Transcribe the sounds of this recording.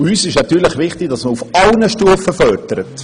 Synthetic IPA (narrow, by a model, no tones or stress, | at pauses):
yːsɪʃnɑt̪yːɾləχʋɪχt̪ɪɡ̥dɑsməɾufɑlnəʃtuəfəfœrdəɾət